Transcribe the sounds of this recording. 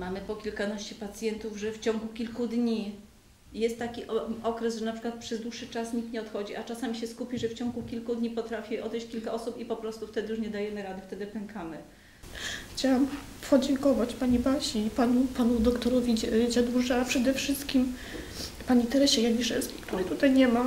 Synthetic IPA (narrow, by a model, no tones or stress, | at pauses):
mamɘpɔkʲilkanaɕt͡ɕɛpat̪sʲjɛnt̪uvʐɛft͡ɕɔ̃ŋɡukʲilkud̪ɲi | jɛst̪ːakʲiʔɔkɾɛzʐɛnapʂɘkwat̪pʂɛzd̪wuʂːɘt͡ʂasɲikt̪ɲɛɔt̪xɔd͡ʑiʔat͡ʂasamʲiɕɛskupʲiʐɛft͡ɕɔ̃ŋɡukʲilkud̪ɲipɔt̪ɾafʲiɔd̪ɛjɕt͡ɕkʲilkaʔɔsupipɔpɾɔst̪uft̪ɛd̪ɘjuʂɲɛd̪ajɛmɘɾad̪ɛft̪ɛd̪ɘpɛŋkamɘ | xt͡ɕawam | pʰɔd͡ʑɛŋkɔvat͡ɕpaɲibaɕiːpanupanud̪ɔkt̪ɔɾɔvʲid͡ʑad̪uʐaapʂɛd̪ɛfʂɘst̪kʲim | paɲit̪ɛɾɛɕɛjaɲiʂɛlskʲi̥kt̪uɾɘt̪ut̪ajɲɛma